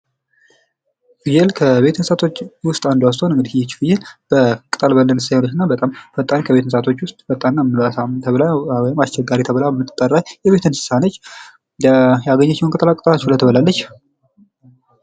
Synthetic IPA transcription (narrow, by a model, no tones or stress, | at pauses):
fjɛlkʰəβe̞t̪ɨnsat̪ʰo̞t͡ʃːwʊst̪ʼand̪was̬t̪ʰhonɨŋɡɨd̪ihjɛt͡ʃːfɨjɛlb̥əkʼɨt̪ʼəlbəlːənsajanət͡ʃːɨnːabət̪ʼamfət̪ʼːankʰəβe̞t̪nsat̪ʰo̞t͡ʃːwʊst̪ʼfət̪ʼːanːamɨlasamt̪ʰəβlawɔjɪmast͡ʃːɛɡaɾit̪ʰəβlabəmɨt̪ʼːɨt̪ʼːərːajjɛβe̞t̪ʰɨnsɨ̥sanət͡ʃː | jaɡəɲːat͡ʃːɛwnkʼɨt̪ʼəlakʼɨt̪ʼəlat͡ʃːɛlət̪ʰəβəlalːət͡ʃː